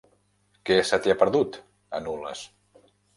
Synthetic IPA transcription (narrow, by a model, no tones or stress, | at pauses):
kesat̪eapəɾðut̪ | ə̰nulə̰s